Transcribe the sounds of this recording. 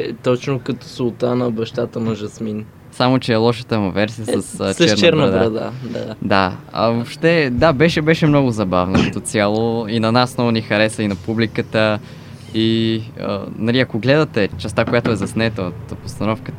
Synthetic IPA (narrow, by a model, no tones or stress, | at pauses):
t̪ɔt͡ʃnokət̪o̥solˠt̪anɐbɐʃt̪at̪ənɐʒɐsmin | samot͡ʃɛːlˠɔʃət̪əmɐvɛɾsijəsɐst͡ʃɛɾnt͡ʃɛɾnəd̪aɾɐd̪a̰d̪ad̪aɐ̰vopʃt̪ɛd̪abɛʃɛbɛʃɛmnɔɡʊzɐbavnokɐt̪ot̪sialˠoinɐnasːnɔvʊnixɐɾɛsəinɐpublikət̪ə | iə̰nɐliɐkoɡlɛd̪ɐt̪ɛt͡ʃɛst̪akojat̪oɛzɐsnɛt̪əot̪post̪ɐnɔfkət̪